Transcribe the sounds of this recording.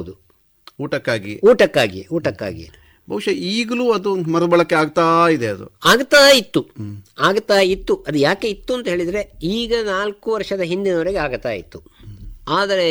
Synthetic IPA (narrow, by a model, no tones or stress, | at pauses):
d̪u | uːʈɐkːaːɡiuːʈɐkːaːɡḭeuːʈɐkːa̰ːɡḭḛ | bʱɐʋuʂɐiːɡɐluːɐd̪umɐɾbɐɭɐkːeaːɡt̪aːid̪eɐd̪ṵaːɡt̪aːjit̪ːuaːɡt̪aːjit̪ːuʔɐd̪ujaːke̞it̪ːuɐnt̪ɐɦeːɭid̪ɐɾe̞iːɡɐnaːlkuʋɐɾʂɐd̪ɐɦind̪inoːɾeɡeaːɡt̪aːjḭt̪ːuaːd̪ɐɾe